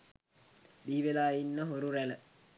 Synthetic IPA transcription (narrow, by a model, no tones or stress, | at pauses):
biːʋelaːinːəɦoɾuɾælə